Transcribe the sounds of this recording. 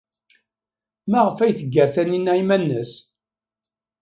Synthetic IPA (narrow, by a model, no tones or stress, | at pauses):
mæʁəfæjθəɡːəɾθæninːæjmænːəs